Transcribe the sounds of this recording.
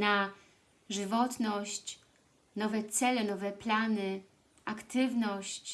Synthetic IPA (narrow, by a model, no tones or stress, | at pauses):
na | ʐɘvɔt̪nɔɕt͡ɕ | nɔvɛt̪sɛlɛnɔvɛplanɘ | akt̪ɘvnɔɕt͡ɕ